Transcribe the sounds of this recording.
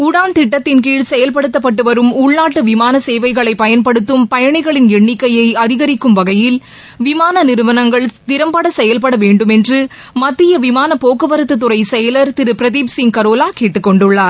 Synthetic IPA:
ʊɽaːnt̪ɪʈːɐt̪ːɪnkiːɭsɛjɐlpɐɽɯt̪ːɐpːɐʈːɯʋɐɾɯmʊɭnaːʈːɯʋɪmaːnɐseːʋɐɪɣɐɭɐɪpːɐjɐnpɐɽɯt̪ːɯmpɐjɐɳɪɣɐɭɪnɛɳːɪkːɐjɐɪɐðɪɣɐɾɪkːɯmʋɐɣɐjɪl | ʋɪmaːnɐnɪɾɯʋɐnɐŋɡɐɭt̪ɪɾɐmpɐɽɐsɛjɐlpɐɽɐʋeːɳɖɯmɛndrɯ | mɐt̪ːɪjɐʋɪmaːnɐpoːkːɯʋɐɾɯt̪ːɯt̪ːɯɾɐɪsɛjɐlɐɾt̪ɪɾɯpɾɐðiːpsɪŋkɐɾoːlaːkeːʈːɯkːɔɳɖɯɭːaːɾ

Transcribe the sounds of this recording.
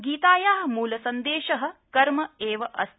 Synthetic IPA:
ɡiːt̪aːjaːɦɐmuːlɐsɐnd̪eːʃɐɦɐ̆kɐɾmɐeːʋɐʔɐ̰s

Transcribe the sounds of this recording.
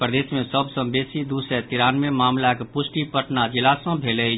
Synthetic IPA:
pɾəd̪eːsmẽsəbsə̃mbeːsid̪usɛt̪ɪɾaːnmẽmaːmlakpʊsʈipəʈnad͡ʒɪlasə̃bʱeːlə

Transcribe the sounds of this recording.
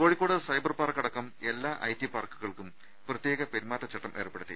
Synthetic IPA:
ko̞ːɻikːo̞ːɽuðɐsɐjbɐrpaːrkːɐɽɐkːɐme̞lːaːʔɐ̰jtːipaːrkuɣɐɭkum | prɐt̪jeːɣɐpe̞ɾimaːtːɐt͡ɕɐʈːɐmʔe̞ːrpːeɽut̪ːḭ

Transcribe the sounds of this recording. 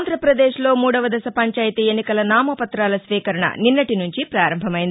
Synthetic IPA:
nd̪ʱɾɐpɾɐd̪eːʂlo̞ːmuːɽɐʋɐd̪ɐsɐpɐɲt͡ʃaːjt̪ienːikɐlɐnaːmɐpɐt̪ɾaːlɐsʋiːkɐɾɐɳɐ̰ninːɐʈinuɲt͡ʃipɾaːɾɐmbʱɐmɐjind̪i

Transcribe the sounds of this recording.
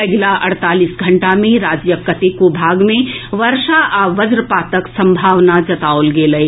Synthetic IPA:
ɐɡlaʔɐɽt̪aːlisɡʱɐ̃ɳʈamẽɾaːd͡ʒjəkːɐt̪ekobʱaːɡmẽʋɐɾʃaʔaʋɐd͡ʒɾəpaːt̪əksɐ̃mbʱaːʋnad͡ʒɐt̪aːolɡeːlɐe

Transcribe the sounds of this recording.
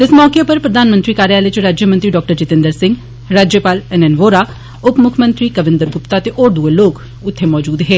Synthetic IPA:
t̪ɪsmɔːkepəɾpɾəd̪aːnmənt̪ɾiːkaːɾjaːlet͡ʃɾaːd͡ʒjəmənt̪ɾiːɖɔːk̚ʈəɾt͡ʃɪt̪ɪ̃nd̪əɾsɪ̃ŋɡ | ɾaːd͡ʒjəpaːlɛnɛnʋoːɾaː | ʊpmʊkʰmə̃nt̪ɾiːkəʋɪ̃nd̪əɾɡʊpt̪aːt̪eʔoːɾd̪uːeloːk | ʊt̪ʰːemɔːd͡ʒuːd̪ɦeː

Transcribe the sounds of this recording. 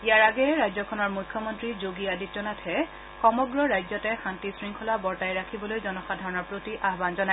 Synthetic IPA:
ijaɹaɡɛɹajzɔkʰɔnɔɹmujkʰːɔmɔntɹizoɡijaditːɔnatʰɛ | xɔmɔɡɹɔɹajzɔtɛxantisɹiŋkʰɔlabɔɹtajɹakʰibɔlojzɔnɔxadʱaɹɔnɔɹpɹotiʔaɦbanzɔnaj

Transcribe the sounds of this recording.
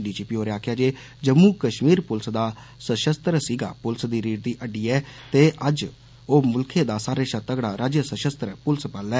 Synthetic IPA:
ɖiːt͡ʃiːpiːoːɾaːkʰjaːd͡ʒeː | d͡ʒəmːuːkəʃmiːɾpʊlsd̪aː | səʃəst̪ɾsiːɡa̰ːpʊlsd̪iːɾiːʈ̚d̪iːʔəɖiːɛːt̪eːʔəd͡ʒ | oːmʊlkʰeːd̪aːsaːɾeːʃat̪əɡɽaːɾaːd͡ʒjəsəʃəst̪ɾpʊlspəlɛː

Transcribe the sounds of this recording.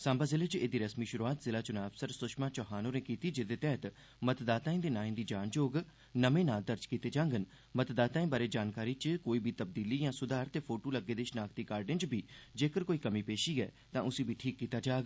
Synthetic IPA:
sãːmbaːzɪleːt͡ʃeːd̪iːɾəsmiːʃʊɾuaːt̪zɪlaːt͡ʃʊnaːəbsəɾsʊʃmaːt͡ʃɔːɦaːnõːneːkiːt̪iːd͡ʒɪd̪eːt̪ɛːt̪ | mət̪d̪aːt̪aːĩːd̪eːnãːĩːd̪iːd͡ʒaːnd͡ʒoːɡ | nəmẽːnãːd̪əɾd͡ʒkiːt̪eːd͡ʒãːŋɡən | mət̪d̪aːt̪aːĩːbaːɾeːd͡ʒaːnkaːɾiːt͡ʃkoːiːbʱiːt̪əb̚d̪iːliːjãːsʊd̪aːɾt̪eːpʰoːʈoːləɡeːd̪eːʃnaːkt̪iːkaːɾɖɪnt͡ʃbʱiːd͡ʒeːkəɾkoːiːkəmiːpeːʃiːɛ̰ː | t̪ãːʔʊsĩːbʱiːʈʰiːkːiːt̪aːd͡ʒaːɡ

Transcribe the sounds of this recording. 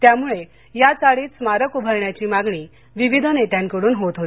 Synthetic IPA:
t̪jamuɭe | jat͡saɭiːt̪smaɾəkubʱəɾɳjat͡ɕiːmaɡɳiː | ʋiʋid̪ʱənet̪jãnkəɽuːnɦot̪ɦot̪i̥

